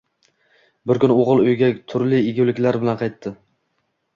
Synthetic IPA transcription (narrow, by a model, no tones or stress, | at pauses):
bɪɾkʰʲʊnoʁɨlˠʊjɡʲat̪ʰʊɾlɪɪɡʲɪlɪkʲlaɾbɪlanqʰɑjt̪ʰːɪ